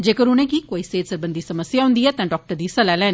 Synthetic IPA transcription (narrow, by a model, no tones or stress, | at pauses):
d͡ʑeːkəɾʊn̤ẽkiːkoːiseːd̪sɐɾbə̃nd̪ʱisɐməsjaɦũːnd̪iɛːt̪ɐ̃ɖɔːk̚ʈəɾd̪iːsɐlaːɪlaːɦɪn